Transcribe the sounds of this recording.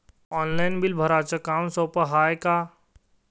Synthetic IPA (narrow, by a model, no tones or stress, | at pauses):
ɔːnlaːjnbɪlbʱɐɾaːt͡ʃɐkaːmsoːpəɦaːjkaː